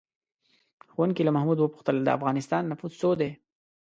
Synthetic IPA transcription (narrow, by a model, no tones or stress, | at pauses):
xwankilamahmud̪wəpu̥xt̪əld̪ə̰a̰fɣɑnɪst̪ɑnːafuzsod̪e